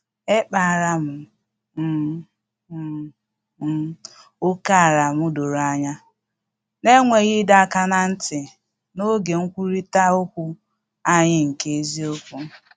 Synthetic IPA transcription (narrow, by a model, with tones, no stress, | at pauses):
e˦k͡pa˨ɾa˨m̩˨ | m̩˨ | m̩˨ | o˦ka˦a˨ɾa˨mʊ˦do˨ɾa˦ɲa˦ | ne˦ŋʷe˨ɣɪ˦da˨a˦˨ka˦na˦n̩˦tɪ˨ | no˦ɡe˨ŋ̩˦kʷu˦ɾi˦ta˦ʊ˦kʷʊ˦ | a˦ɲɪ˦ŋ̩˨ke˨e˦zi˦o˦kʷu˦